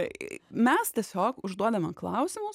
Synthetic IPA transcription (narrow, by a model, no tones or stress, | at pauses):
mʲɛst̪ʲiɛsʲoːkʊʒd̪uɔd̪ɐmʲɐklˠɐʊsʲɪmʊs